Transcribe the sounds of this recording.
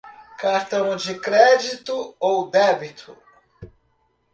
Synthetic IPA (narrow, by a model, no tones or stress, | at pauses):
kaɾt̪ɐ̃w̃d͡ʒɪkɾɛd͡ʒit̪ʊowd̪ɛbit̪ʰʊ